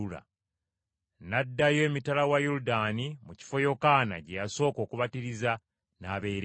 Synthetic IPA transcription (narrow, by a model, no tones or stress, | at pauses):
ula̰ | nadːajomitalawajuɾudanimuci̥fo̞jo̞kaːna̰ɟejaso̞ːko̞ːkuβatiɾiza | naːβe̞ɾ